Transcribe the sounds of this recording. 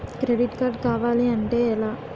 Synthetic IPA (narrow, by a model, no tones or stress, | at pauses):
kɾeɖiʈkaːɾɖkaːʋaːleɐɳʈeːɛlaː